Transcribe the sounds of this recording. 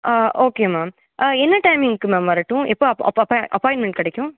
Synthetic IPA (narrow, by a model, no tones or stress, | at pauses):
ʔaʔoːkeːmaːm | ʔaɛnːɐʈɐɪmɪŋkɯmẽmɐːɾɐʈːʊ̃ɛpːoɐɐ̰ɐpʔɐpɔ̃ɪ̃ɳʈmɛɳʈ̚kɪɽɛkːʊ̃